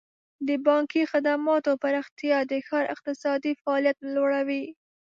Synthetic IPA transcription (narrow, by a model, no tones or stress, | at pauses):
d̪əbɑŋkixad̪amɑt̪opaɾɪxt̪jɑd̪əxɑɾɪ̰q̚t̪ɪsɑd̪ifaːljat̪loɽawi